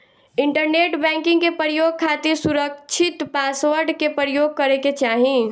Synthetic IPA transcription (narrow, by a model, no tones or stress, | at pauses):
ɪ̃ɳʈəɾneːʈbɛ̃ːŋkɪ̃ŋɡkepəɾjoːɡ̚kʰaːt̪isʊɾəkt͡ʃʰɪt̪paːsʋəɾɖkepəɾjoːɡ̚kɐɾeket͡ʃaːɦĩ